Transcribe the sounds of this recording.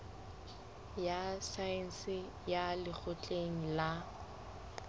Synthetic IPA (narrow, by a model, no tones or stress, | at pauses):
jasaɛn̩sɪ | jalɪk͡xʰʊt͡ɬʼeŋ̩la